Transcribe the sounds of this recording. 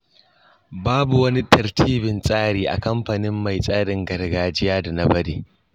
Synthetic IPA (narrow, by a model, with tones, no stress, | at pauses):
baː˦bu˨wɐ˦ni˦tɐ˨ɾtʰiː˦bɪ˨nsʼaː˦ɽiː˨ʔa̰˨kɐ˦mɸa˨nɪ˦mːa˨jsʼaː˦ɽɪ˨ŋɡɐ˨ɾɡaː˨d͡ʒɪ˦jaː˦da˨na˦bɐ˦deː˨